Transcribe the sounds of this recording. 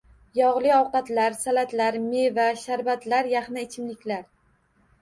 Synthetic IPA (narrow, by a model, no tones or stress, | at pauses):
jɒʁlˠɪɒwqɑt̪laɾsalat̪laɾmevaʃaɾbat̪laɾjaχnɪːt͡ʃʰɪmlɪkʲlaɾ